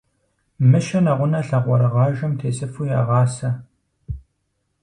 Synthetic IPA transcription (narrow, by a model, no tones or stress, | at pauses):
mɨʃɐnɐʁʷʊnɐɬɐʁʷɔɾɐʁɑːʒɐmtʰeːsʼɨfuja̰ːʁɑːsɐ